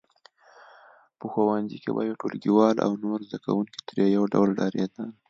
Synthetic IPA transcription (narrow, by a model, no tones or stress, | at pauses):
pəxawanzikḛbajeʈolɡiwɑlʔa̰wnoɾzd̪akawuŋki̥t̪ɾejawɖa̰wlɖɑɾed̪a